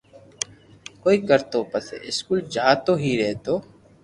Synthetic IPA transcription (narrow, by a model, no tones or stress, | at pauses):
koːiːkəɾt̪oːpəsḛɪskuːld͡ʒaːt̪oːɦiːɾɛːt̪oː